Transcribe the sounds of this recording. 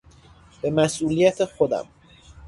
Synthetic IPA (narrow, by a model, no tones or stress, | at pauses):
b̥e̞mæsʔuːlijæt̪ʰexod̪æ̰m